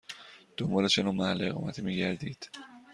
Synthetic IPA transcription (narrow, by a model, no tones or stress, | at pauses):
d̪̥ombɒːlet͡ʃʰenoːmæhælːeeɣɒ̰ːmæt̪ʰiːmiːɟæɾd̪iːd̪̥